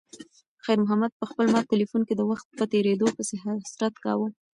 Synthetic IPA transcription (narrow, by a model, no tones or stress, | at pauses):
xajɾmʊɦamad̪̚pəxpəlmɑt̪ːɪlifunked̪əwaxt̪̚pət̪eɾed̪opəseɦasɾat̪kɑ̰wu